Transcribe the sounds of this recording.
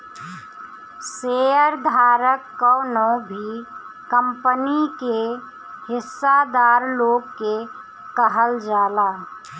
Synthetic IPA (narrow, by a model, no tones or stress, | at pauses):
seəɾd̪ʱaːɾəkːɔʊnõbʱi | kəmpənike | hɪsːad̪aːɾloːɡke | kəɦəld͡ʒaːlaː